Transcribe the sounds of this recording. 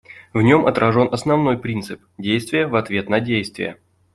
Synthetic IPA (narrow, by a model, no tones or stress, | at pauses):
vnʲo̞mɐt̪ɾɐʐo̞nʔɐsnɐvno̞jpɾʲint̪sɨpdʲejst̪vʲɪjəvɐt̪vʲe̞t̪nɐdʲejst̪vʲɪ̰jə̰